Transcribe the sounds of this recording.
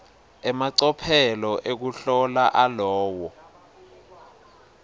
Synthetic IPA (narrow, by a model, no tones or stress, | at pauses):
ɛmaǀɔpʰɛlɔʔek̬uɬɔlaʔalɔːwɔ